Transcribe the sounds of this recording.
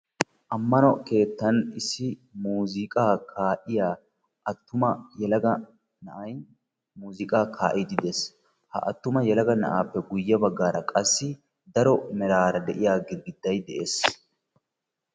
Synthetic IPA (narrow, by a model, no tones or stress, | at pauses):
ʔɐmːɐnɔke̞ːt̪ːɐnɪsːɪmuːzɪkʼaːkʰaːʔɪjaː | ʔɐt̪ːʊmɐjɛlɐɡɐ | nɐʔɐj | muːzɪkʼaːkʰaːʔɪd̪ɪd̪ɛs | hɐ̰ʔɐt̪ːʊmɐjɛlɐɡɐnɐ̰ʔaːpːɛɡʊjːɐbɐɡːaːɾɐkʼɐsːɪ | d̪ɐɾɔmɛɾaːɾɐd̪ɛʔɪjaːɡɪɡɪd̪ːɐjd̪ɛʔe̞ːs